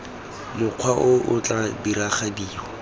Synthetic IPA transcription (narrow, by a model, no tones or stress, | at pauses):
lɪq͡χʰwaʔʊʔʊt͡ɬʼabiɾaχadiːɔ